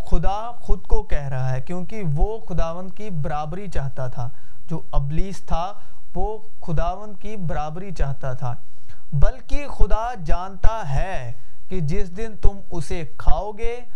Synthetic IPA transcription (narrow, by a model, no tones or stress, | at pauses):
xʊd̪a | xʊd̪kokɛɦɾɐɦaɦɛkjõːkeʋoxʊd̪aːʋə̃nd̪kibɐɾaːbɾit͡ʃaːɦt̪at̪ʰaːd͡ʒoːɐbliːst̪ʰaʋoxʊd̪aːʋə̃nd̪̚kibɐɾaːbɾit͡ʃaːɦt̪at̪ʰaːbɐlkixʊd̪a | d͡ʒaːnt̪aɦɛked͡ʒɪsd̪ɪnt̪ʊmʊsekʰaːoːɡeː